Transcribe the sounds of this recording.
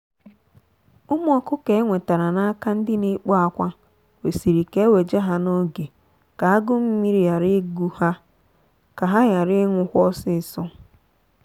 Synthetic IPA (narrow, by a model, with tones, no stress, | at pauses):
ʊ˦m˦ɔ˦kʊ˦ke˨e˦ŋʷe˨ta˨ɾa˨na˦ka˦n̩˦dɪ˦ne˦k͡pɔ˦a˨kʷa˦ | we˨si˨ɾi˨ke˦we˨d͡ʒe˦ɦa˦no˦ɡe˨ | ka˨a˦ɡʊ˦m̩˦mi˦ɾi˨ja˨ɾɪ˦ɡu˦ha˦ | ka˨ɦa˦ɣa˨ɾɪ˦ŋʷʊ˨xʷɔ˦sɪ˦˨sɔ˦